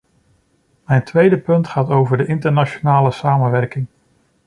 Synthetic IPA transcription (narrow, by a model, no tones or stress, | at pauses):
mɛjntʋejdəpɵntχaːtowvəɹdəʔɪntəɹnat͡ʃonaːləsaːmənʋɛɹkɪŋ